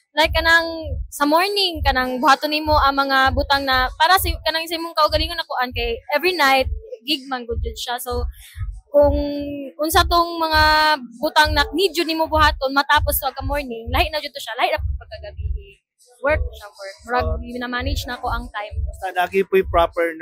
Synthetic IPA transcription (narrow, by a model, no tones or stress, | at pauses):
lahɪkːɐnaŋsɐmoɹnɪŋkɐnaŋbʊhaːt̪onːɪmoʔɐŋmɐŋabʊt̪aŋnɐpaːɾɐskɐnaŋsajmoŋkɐʔʊɡɐliːŋonɐkʊʔankɐjʔɛvɹinajt̪̚ɡɪɡ̚manɡʊd̪̚d͡ʒʊnʃasowkʊŋʔʊnsat̪oŋmɐŋabʊt̪aŋnɐmid͡ʒonɪmobʊhaːt̪onmɐt̪aːpost̪oʔɐkɐmoɹnɪŋlaːhɪʔnɐd͡ʒʊd̪t̪oʃalaːhɪʔnɐp̚pɐɡ̚kaɡɐbiɪ | wɛɹk̚awɛɹk̚maɡɡɪɪnamaːnɪd͡ʒnɐko̞ʔɐŋt̪ajmalaɡipʊjpɹapɛɹ